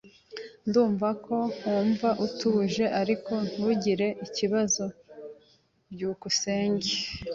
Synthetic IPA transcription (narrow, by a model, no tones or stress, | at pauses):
nduːɱvako̞uːɱvaʔutuβuʒe̞ʔaɾiko̞n̥uɟiɾe̞ʔiciβazo̞ | bɟuːkuseːɲɟe